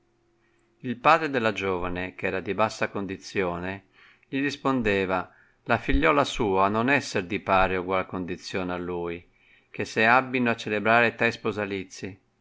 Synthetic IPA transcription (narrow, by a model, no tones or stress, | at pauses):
ilpaːd̪ɾed̪elːad͡ʒɔːvanekɛːɾad̪ibasːakond̪it̪sːjɔːne | ʎiɾispond̪eːva | lafiʎːɔːlasuːanonɛsːerd̪ipaːɾeuɡwalkond̪it̪sːjɔːnealːuːj | k̟eseabːinoat͡ʃːelebɾaːɾet̪ɾɛspozalit̪sːi